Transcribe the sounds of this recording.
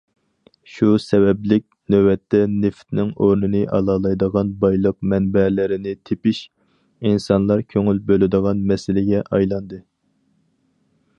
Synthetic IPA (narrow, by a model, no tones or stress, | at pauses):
ʃusɛwɛblɪk̚ʲnøwɛt̪ʰːɛnɪft̪nɪŋoɾnɨnɨʔɑlˠɑlˠɑjd̪əʁɑnbɑjlˠəq̚mɛnbɛlɪɾɪnɪt̪ʰepɪʃ | insɑnlˠɑɾkʲʰøŋylbølɪd̪əʁɑnmɛsɪlɪɡʲɛʔɑjlˠɑnd̪ɨ